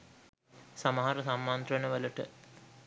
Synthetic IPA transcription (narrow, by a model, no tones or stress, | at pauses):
saməɦaɾəsamːant̪rənəʋələʈə̰